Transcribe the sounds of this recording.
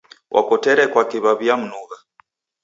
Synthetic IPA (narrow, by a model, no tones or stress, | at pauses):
wʔa̰kɔtɛɾɛkwakiβaβijam̩nuɣa